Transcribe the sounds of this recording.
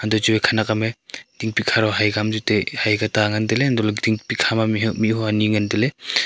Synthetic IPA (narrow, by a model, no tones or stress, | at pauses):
andɔt͡ʃubekʰanakamed̥iŋpikʰaɾɔɦajɡamd͡ʒutehajɡataŋandeleandɔlɡdiŋpikʰamamiɦmiuaniŋandele